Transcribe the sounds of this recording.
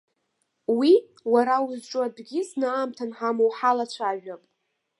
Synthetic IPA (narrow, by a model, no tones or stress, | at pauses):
wi | waɾawuzʈ͡ʂʷʼʊadɡʲɪsnaːmtʰanħamowħalat͡ɕʷʰaʒᶣapʼ